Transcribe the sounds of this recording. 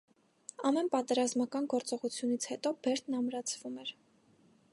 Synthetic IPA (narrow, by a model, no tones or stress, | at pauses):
ɑmɛnpɑt̪ɛɾɑzmɑkɑnɡɔɾt͡sɔʁut͡sʰjunit͡sʰhɛt̪ɔbɛɾt̪ʰnɑmɾɑt͡sʰv̥umɛɾ